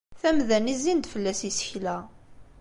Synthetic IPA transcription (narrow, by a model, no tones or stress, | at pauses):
θæmðænizind̪fəlːæsisə̥çlæ